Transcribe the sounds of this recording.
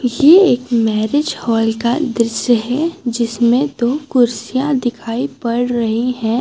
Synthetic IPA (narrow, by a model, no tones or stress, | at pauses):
jeeːkmɛːɾɪd͡ʒhɔːlkad̪ɾɪsjəɦɛd͡ʒɪsmẽd̪oːkʊɾsijãd̪ɪkʰaːipɐɽɾɐɦiɦɛ̃ː